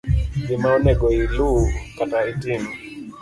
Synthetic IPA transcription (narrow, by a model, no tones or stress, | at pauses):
zimanɛɡɔilukataitin